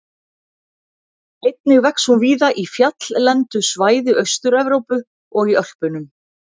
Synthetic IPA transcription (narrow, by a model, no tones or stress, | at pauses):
ejt̪nɪɣvɛkshunviːðaʔifjat̪l̥lɛnt̪ʏsvaːjðɪʔœɥst̪ʏɾɛvɾowpʏ | ɔɣiœl̥pʏnʏm